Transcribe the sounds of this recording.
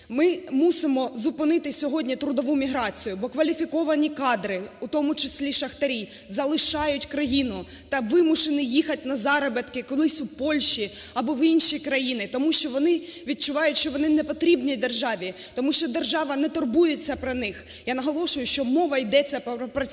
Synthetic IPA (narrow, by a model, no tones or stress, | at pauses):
mɪmusɪmɔzʊpɪnɪt̪ɪsʲɔɦɔdʲnʲit̪ɾʊd̪ɔʋumʲiɦɾɑt͡sʲijʊbɔkʋɐlʲifʲikɔʋɐnʲikɑd̪ɾɪut̪ɔmʊt͡ʃɪsʲlʲiʃɐxt̪ɐɾʲi | zɐlˠɪʃɑjʊtʲkɾɐjinʊt̪ɐʋɪmʊʃenɪjixɐtʲnɐzɑɾɐbet̪kɪkɔlˠɪsʲʊpɔlʲʃiɐbɔʋinʃikɾɐjinɪt̪ɔmuʃt͡ʃɔʋɔnɪʋʲid̪̚t͡ʃʊʋɑjʊtʲʃt͡ʃɔʋɔnɪnɛpɔt̪ɾʲibnʲid̪erʒɑʋʲi | t̪ɔmuʃt͡ʃɔd̪erʒɑʋɐnɛt̪ɔrbujet͡sʲːɐpɾɐnɪxjanɐɦɔlˠɔʃʊjʊʃt͡ʃɔmɔʋɐjd̪ɛt͡sʲːɐppɐ